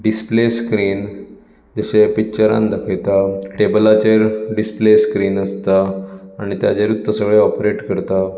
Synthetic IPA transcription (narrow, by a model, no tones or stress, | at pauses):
ɖispleskɾiːn | d͡zəɕepik̚t͡ɕəɾã̰nd̪əkʰəjt̪aʈebəlat͡ɕeɾɖispleskɾiːnəst̪aːɽ̃it̪jat͡ɕeɾut̪ːəsəɡɭeɔpɾeʈkəɾt̪a